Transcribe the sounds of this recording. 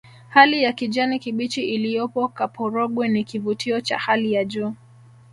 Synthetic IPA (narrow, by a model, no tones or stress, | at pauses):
halijakid͡ʒanikiɓit͡ʃiʔilijɔpɔkapʰɔɾɔɠwɛnikivutʰiɔt͡ʃa̰halijad͡ʒuː